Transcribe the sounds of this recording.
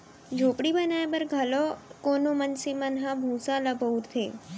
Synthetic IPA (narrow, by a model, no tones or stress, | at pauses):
d͡ʒʱopɽibənaebəɾɡʱəlɔkonomənsimənɦãbʱũsaləbʱəuɾt̪ʰe